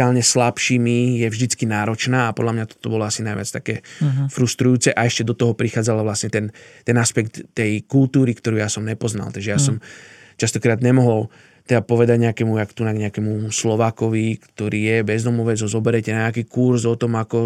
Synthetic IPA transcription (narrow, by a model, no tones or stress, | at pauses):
aːlɲɛslapʃiːmijɛvʒd̪it͡skinaːɾɔt͡ʃnaːapɔd̪lamɲat̪ɔ̥t̪ɔbɔlɔasinajʋɪat͡st̪akɛːfɾust̪ɾujuːt͡sɛʔaɛʃcɛd̪ɔt̪ɔɦɔpɾixaːd͡zalaʋlasɲɛt̪ɛnt̪ɛnaspɛkt̪ːɛjkult̪uːɾikt̪ɔɾuːjasɔmɲɛpɔzna̰lt̪aɡʒɛjaːsɔm | t͡ʃast̪ɔkɾaːd̪ɲɛmɔɦɔl | t̪ɛd̪apɔʋɛd̪aɟɲɛakɛːmujakt̪unaɡɲɛakɛmuslɔʋaːkɔʋikt̪ɔɾiːjɛbɛzd̪ɔmɔʋɛd͡zɦɔzɔbɛɾɛcɛnaɲɛakiːkuɾzɔt̪ɔmakɔ